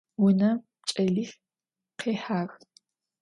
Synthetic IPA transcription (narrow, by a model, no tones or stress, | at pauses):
wʊnɐ | t͡ʃʼɐɮix | qeːħaːx